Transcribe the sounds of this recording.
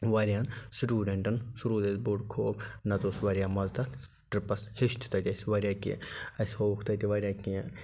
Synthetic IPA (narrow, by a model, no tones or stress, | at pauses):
ʋɐɾʲjaːnsʈʲuːɖeɳʈɐnsuɾuːd̪et̪buɖkʰoːknɐt̪oːsʋɐɾʲjaːmɐzd̪ɐt̪ʰ | ʈɾipɐshiʃt̪ʰu̥t̪ɐt̪ʲɐsʋɐɾʲjaːkḭɐshoːkʰt̪ɐt̪iʋɐɾʲjaːkin